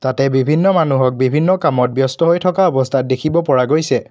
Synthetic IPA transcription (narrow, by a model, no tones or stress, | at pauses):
tatɛbibʱinːɔmanuɦɔk̚bibʱinːɔkamɔt̚bjɔstɔɦojtʰɔkaɔbɔstʰat̚dekʰibɔpɔɹaɡojsɛ